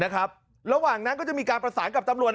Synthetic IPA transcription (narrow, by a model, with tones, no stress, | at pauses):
na˦˥kʰɾa˦˥p̚ | ɾa˧waː˨˩ŋna˦˥nkɔː˥˩t͡ɕa˨˩ʔmiː˧kaː˧npɾa˧saː˩˦nka˨˩p̚t̪a˧mɾu˨˩ət̪̚